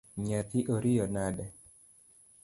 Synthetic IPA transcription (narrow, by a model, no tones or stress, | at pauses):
ɲat̪ɪʔoɾɪjɔnadɛ